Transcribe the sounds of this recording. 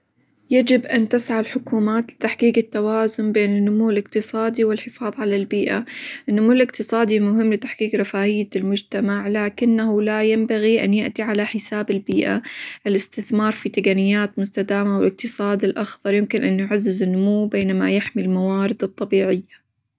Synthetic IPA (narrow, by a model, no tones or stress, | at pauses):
jad͡ʒɪbʔant̪ɪsʕalħʊkuːmaːt̪lɪt̪aħqiːqɪt̪ːawaːzʊnbeːnɪnːʊmuːɪlɪqt̪ɨsˤɑːd̪iwɪlħɪfɑːðˤʕalalbiːʔaʔɪnːʊmuːɪlɪqt̪ɨsˤɑːd̪imʊɦɪmːlɪt̪aħqiːqɾˤɑfaːʔɪjːalmʊd͡ʒt̪amaʕlaːkɪnːahulajambaɣiʔa̰njɪʔt̪iʕalaħɪsaːbɪlbiːʔa̰ʔɪlɪst̪ɪθmɑːɾˤfit̪akanɪjːaːt̪mʊst̪ad̪aːmawɪlɪq̚t̪ɨsˤɑːd̪ɪlʔaxðˤɑɾˤjɪmkɪnʔanjʕazːɪzɪnːʊmuːbeːnama̰jaħmilmawaːɾɪd̪ɨt̪ˤːɑbiːʕɪjːa